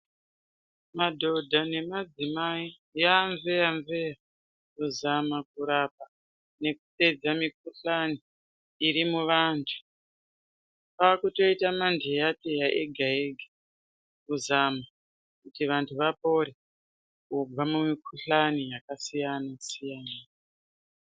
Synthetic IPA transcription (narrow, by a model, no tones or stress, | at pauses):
madʱo̞dʱane̞mad͡zimai | jaɱveaɱveja | kuzamakuɾapa | ne̞kupe̞d͡zamik̚uɬaniː | ɾimuʋantʰu̥ | pakuto̞itamandejatejaʔeɡʱaeɡʱa | kuzama | kutiʋantʰuʋapo̞ɾe | ubamumikʰuɬanijakasijanasijana